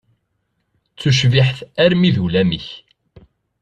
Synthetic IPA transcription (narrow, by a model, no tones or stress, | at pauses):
t͡sːuʃ̬viħθæɾmiðulæmiç